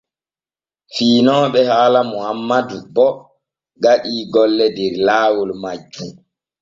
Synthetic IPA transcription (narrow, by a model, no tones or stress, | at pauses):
fiːnɔːɓɛhaːlamɔhamːadubɔ | ɡaɗiːɡɔlːɛdɛɾlaːwulmad͡ʒːu